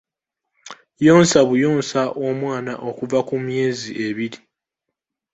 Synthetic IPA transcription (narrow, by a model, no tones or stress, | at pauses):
joːnsaβujo̞ːnsaʔo̞mwaːnaʔo̞kuvakumje̞ːziʔe̞βiɾi